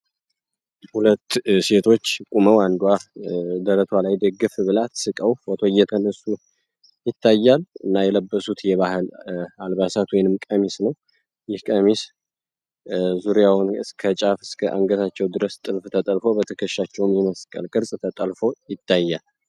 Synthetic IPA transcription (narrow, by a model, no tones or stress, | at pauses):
hulət̪ːse̞t̪ʰo̞t͡ʃːkʼuməwand̪wad̪əɾət̪ʰwalajd̪əɡːɨfbɨlat̪sɨkʼəwwɔt̪ʰo̞jːɛt̪ʰənəsːu | jɪt̪ːajːalɨnːajɛləbːəsut̪jɛβahɨlalbasat̪wɔjnɨmkʼəmisnəw | jɪhkʼəmis | zuɾjawnɨskʰət͡ʃʼafɨskʰəʔa̰ŋɡət̪ʰat͡ʃːɛwd̪ɨɾəst̪ʼɨlft̪ʰət̪ʼəlfo̞bət̪ʰəkʰəʃːat͡ʃːɛwmjiməskʼə̰lkʼɨɾsʼt̪ʰət̪ʼəlfo̞jɪt̪ʰːajːal